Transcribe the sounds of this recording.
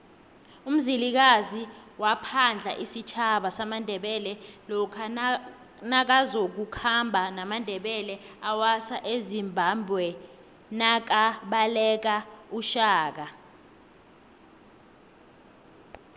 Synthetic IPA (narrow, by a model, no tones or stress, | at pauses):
um̩zilik̬aziwapʰand͡ɮʱa̰ʔisit͡ʃʰaɓasamandʱɛɓɛlɛlɔkʰa | nak̬azok̬ukʰambʱanamandʱɛɓɛlɛawasaʔezimbʱambʱwɛ | nak̬aɓalɛk̬auʃaːk̬a